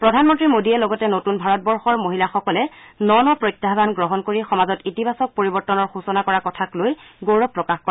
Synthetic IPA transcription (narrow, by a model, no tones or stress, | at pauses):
pɹɔdʱanmɔntɹimodiɛlɔɡɔtɛnotunbʱaɹɔt̚bɔɹxɔɹmoɦilaxɔkɔlɛ | nɔnɔpɹɔjtːaɦbanɡɹɔɦɔnkoɹixɔmazɔtitibʱasɔk̚poɹibɔɹtɔnɔɹxusɔnakɔɹakɔtʰaklojɡoɹɔpːɹɔkaxkɔ